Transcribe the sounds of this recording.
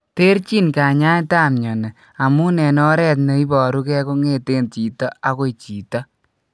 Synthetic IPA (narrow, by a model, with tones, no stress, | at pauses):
te˦ɾt͡ʃi˦nka˨ɲa˦nta˦˨mɲɔ˨ne˨ | a˨mu˦nɛ˨nɔ˦ɾɛ˦t̬ne˨˦i˦bɔ˨ɾu˦kɛ˦ko˦ŋe˦te˦nt͡ʃi˨tɔ˦a˨˦ko˦t͡ʃi˨tɔ˦